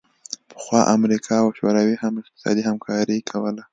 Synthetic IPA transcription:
pə̥xwɑʔamɾikʰɑawʃoɾɑwihamɪq̚t̪ɪ̥sɑ̰d̪ihamkʰɑɾikʰawəla

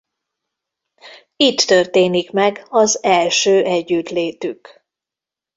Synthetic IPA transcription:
it̪ːørt̪eːnikmɛɡɒzɛlʃøːʔɛɟːyt̪leːt̪yk

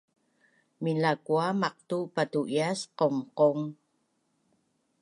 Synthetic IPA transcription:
minakuamaq̚tupatuʔjasqomqoŋ

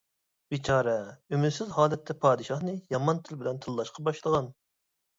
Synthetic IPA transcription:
bit͡ʃʰɑːɾɛymyd̪sɪzhɑːlɛt̪ʰːɛpʰɑːd̪ɨʃɑχnɨjɑmɑnt̪ʰɪlbɪlɛnt̪ʰɨlːˠɑʃqʰɑbɑʃlˠəʁɑn

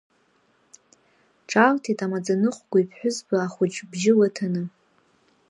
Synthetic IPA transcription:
ʈ͡ʂʼaltʰitʼamad͡zanɨχʷɡʷaijpʰħʷᶣʊzbaaχʷʊt͡ʃʼbʒɪlatʰanɨ

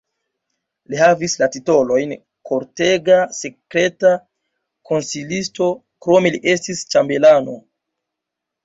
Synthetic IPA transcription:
lihavislatito̞lo̞jn | kʰo̞ɾte̞ɡase̞kɾe̞ta | kʰo̞nsilisto̞ | kɾo̞meliʔe̞stist͡ʃambe̞lano̞

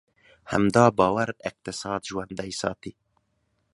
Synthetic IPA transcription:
hɛ̰md̪ɑːbɑːwaɾɪq̚t̪ɪsɑːd̪ʒuwand̪ɐjsɑ̰ːt̪iː

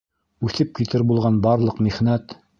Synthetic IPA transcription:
ʉθɘp̚kit̪ɘɾbulˠʁɑnbɑɾlˠɤqmiχnæt̪

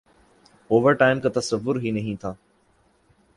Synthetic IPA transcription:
oːʋəɾʈaːɪmkãt̪ɐsəʋːʊɾɦinɐɦĩt̪ʰaː

